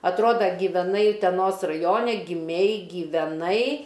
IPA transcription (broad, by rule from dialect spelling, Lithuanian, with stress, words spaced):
ɐtˈroːdɐ ɡʲɪʋʲɛˈnɐɪ ʊtʲɛˈnoːs rɐˈjoːnʲɛ ɡʲɪˈmʲɛɪ ɡʲiːʋʲɛˈnɐɪ